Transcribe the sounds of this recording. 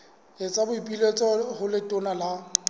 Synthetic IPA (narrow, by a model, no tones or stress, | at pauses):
et͡sʼabʊipʼilet͡sʼɔhʊlɪtʼʊnala